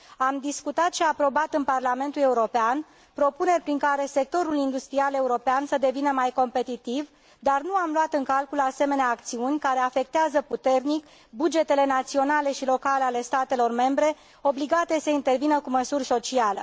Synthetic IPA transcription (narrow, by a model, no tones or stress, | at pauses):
amd̪iskut̪at̪ʃiapɾo̞bat̪ɨnparlame̞nt̪uleuɾo̞pean | pɾo̞pune̞rʲpɾiŋkaɾe̞se̞k̚t̪o̞ɾulind̪ust̪ɾiale̞uɾo̞peansəd̪e̞vinəmajko̞mpe̞t̪it̪iv | d̪arnuamlwat̪ɨŋkalkulase̞me̞neaːk̚t̪siunʲkaɾe̞afe̞k̚t̪eazəput̪e̞rnik | bud͡ʒe̞t̪e̞le̞nat̪sio̞nale̞ʃilo̞kaleale̞st̪at̪e̞lo̞rme̞mbɾe̞ | o̞bliɡat̪esəint̪e̞rvinəkuməsurʲso̞t͡ʃialḛ